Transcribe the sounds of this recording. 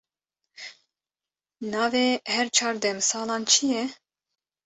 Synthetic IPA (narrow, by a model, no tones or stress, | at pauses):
nɑːveːhɛɾt͡ʃʰɑːɾd̪ɛmsɑːlɑːnt͡ʃʰɨjɛ